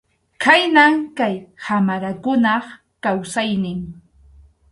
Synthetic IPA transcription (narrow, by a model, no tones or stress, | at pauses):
kʰajnaŋkajhamaɾakʊnɑχ | kawsajnɪŋ